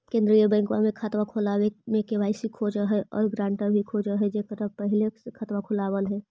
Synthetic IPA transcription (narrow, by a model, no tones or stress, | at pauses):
kẽːnd̪ɾijəbə̃ɪŋkamẽkʰat̪ʋakʰʊlawemẽkewaːɪsikʰoːd͡ʒəɦɛʔɔ̰ːɾɡɾãːɳʈãbʱikʰoːd͡ʒəɦɛd͡ʒekəɾəpəɦlekʰət̪ʋakʰʊlaːwəlɦɛː